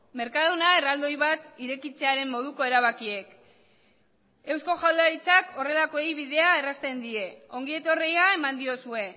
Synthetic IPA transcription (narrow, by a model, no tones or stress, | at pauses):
me̞ɾkaðunae̞rald̪o̞jβat̪iɾe̞kit͡se̞aɾe̞mːo̞ð̞uko̞e̞ɾaβ̞akie̞k | e̞wsko̞ʝawlaɾit͡sako̞re̞lako̞ejβiðe̞ae̞rast̪e̞nd̪ie̞o̞ŋɡie̞t̪o̞rejae̞mand̪io̞sue̞